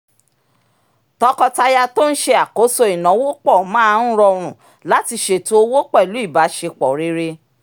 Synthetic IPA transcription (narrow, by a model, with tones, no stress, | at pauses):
tɔ˧˦kɔ˧ta˧ja˧to˦n̩˦ʃe˧a˨ko˨˦so˧i˨nɔ̃˨˦wo˦k͡pɔ˦˨mã˦˧˦n̩˦ɾɔ˧ɾ̃ũ˨ | la˨˦ti˧ʃe˨to˦o˧wo˦k͡pɔ˦˨lu˨˦i˦˨ba˨˦ʃe˧k͡pɔ˨ɾe˧˦ɾe˧